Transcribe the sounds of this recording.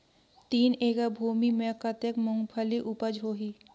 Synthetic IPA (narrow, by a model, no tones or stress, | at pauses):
t̪iːneːkabʱuːmimẽkət̪ekmʊŋɡpʰəliʔupəd͡ʒɦoːɦiː